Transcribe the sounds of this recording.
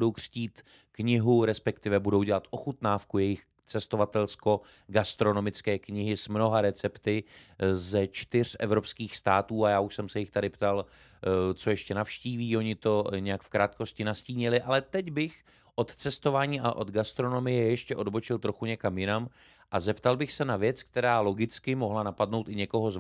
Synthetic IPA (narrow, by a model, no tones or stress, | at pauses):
dowkr̝̥ciːt̪ | kɲɪɦuɾɛspɛkt̪ɪvɛbudo̞wɟɛlat̪ʔo̞xut̪naːfkujɛjɪx | t͡sɛst̪o̞vat̪ɛlsko̞ | ɡast̪ɾo̞no̞mɪt͡skɛːkɲɪɦɪsmno̞ɦaɾɛt͡sɛpt̪ɪzɛt͡ʃt̪ɪr̝̥ɛvɾo̞pskiːxst̪aːt̪uːajaːuʃsɛmsɛjɪxt̪adɪpt̪al | t͡so̞jɛʃcɛnafʃciːviːo̞ɲɪt̪o̞ɲɛjakfkɾaːt̪̚ko̞scɪnasciːɲɪlɪʔalɛt̪ɛɟbɪx | ʔo̞t̪t͡sɛst̪o̞vaːɲiːaʔo̞d̪ɡast̪ɾo̞no̞mɪjɛjɛʃcɛʔo̞dbo̞t͡ʃɪlt̪ɾo̞xuɲɛkamjɪnam | ʔazɛpt̪albɪxsɛnavjɛt͡sk̚t̪ɛɾaːlo̞ɡɪt͡skɪmo̞ɦlanapadno̞wt̪ɪɲɛko̞ɦo̞z